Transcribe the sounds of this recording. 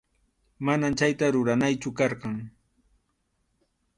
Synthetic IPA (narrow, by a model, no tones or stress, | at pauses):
manamt͡ʃajt̪aɾʊɾanajt͡ʃʊkɑɾɢɑŋ